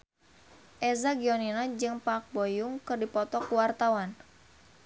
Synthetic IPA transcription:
ʔezaɡiɔninad͡ʒɨŋpak̚bojʊŋkɨrdipɔt̪ɔkuwart̪awan

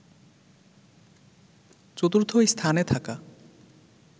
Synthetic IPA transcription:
t͡ɕot̪uɾt̪ʰoejst̪ʰanet̪ʰaka

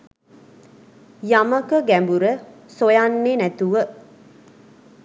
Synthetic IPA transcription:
jaməkəɡæmbuɾə | sojanːenæt̪uʋə

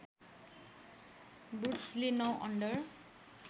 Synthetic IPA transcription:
buʈslenʌwʔʌ̰ɳɖʌr

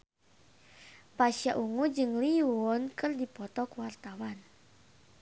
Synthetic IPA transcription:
paʃjaʔuŋud͡ʒɨŋliwɔnkɨrdipɔt̪ɔkwart̪awan

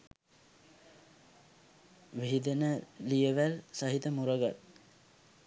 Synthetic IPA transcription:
ʋiɦid̪enəlijəʋælsaɦit̪əmuɾəɡat̪

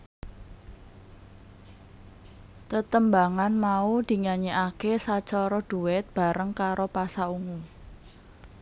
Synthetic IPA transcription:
t̪ət̪əmbaŋanmaud̪̥i̤ŋaɲeʔakesat͡ʃɔɾɔɖ̪̥ṳwɪt̪̚b̥a̤ɾəŋkaɾopasauŋu

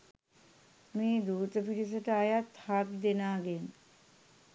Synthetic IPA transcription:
meːd̪uːt̪əpiɾis̬əʈəajat̪haːt̪d̪enaːɡen

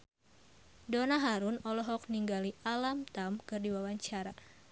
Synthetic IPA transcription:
donaɦaɾʊnɔlɔɦɔk̚niŋɡaliʔalamt̪amkɨrdiwawaɲt͡ʃaɾa

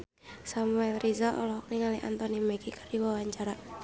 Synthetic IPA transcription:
samuɛlrʔizaʔɔ̰lɔɔk̚niŋaliʔa̰nt̪ɔnimɛɡikardiwawaɲt͡ʃaɾa

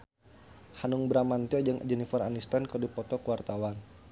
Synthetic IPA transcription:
hanuŋbɾamant̪iɔd͡ʒəŋ̰d͡ʒɛnifara̰nist̪ankərdipɔt̪ɔkuwart̪awan

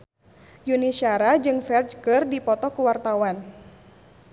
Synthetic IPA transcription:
junisiaɾad͡ʒɨŋfɛrd͡ʒkɨrdipɔt̪ɔkuwart̪awan

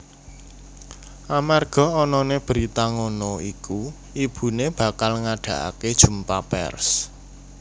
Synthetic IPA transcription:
ʔamarɡ̥ɔ̤ɔnɔneb̥əɾit̪aŋonɔiku | ib̥ṳneb̥a̤kalŋaɖ̥ä̤ʔa̰ked̥ʒ̥ṳmpapɛ̰rs

